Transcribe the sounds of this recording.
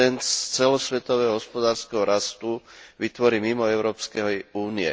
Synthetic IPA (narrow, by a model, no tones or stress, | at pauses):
ɛnt͡sɛlɔsʋɛt̪ɔʋɛːɦɔɦɔspɔd̪aːɾskɛɦɔɾast̪uʋit̪ʋɔɾiːmimɔɛʊɾɔːpskɛɦɔuːniɛ̰